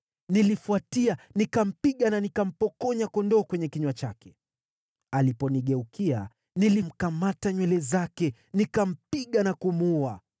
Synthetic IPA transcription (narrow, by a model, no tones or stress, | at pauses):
nilifuatianikam̩piɠananikam̩pɔkɔɲakɔndɔːkwɛɲɛkiɲwat͡ʃakɛ̥ | alipɔniɠɛukia̰ | nilim̩kamataɲwɛlɛzakɛ | nikam̩piɠanakumua